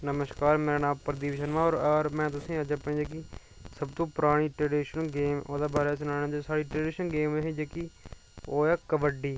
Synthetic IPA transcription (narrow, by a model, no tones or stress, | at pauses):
nəməʃkaːɾmeːɾaːnãːmpəɾd̪iːʋɪʃənʋãːoːɾːɾmɛ̃ːt̪ʊsĩːəd͡ʒəpɳeːd͡ʒeːk̬iː | səbt̪õːpʊɾaːɽ̃iːʈɾeːɖiːʃənɡeːmo̰ːd̪aːbaːɾeːsʊnaːnãːd͡ʒesaːɽiːʈɾeːɖɪʃənɡeːmeːɦĩːd͡ʒeːki | oːɛːkəbəɖiː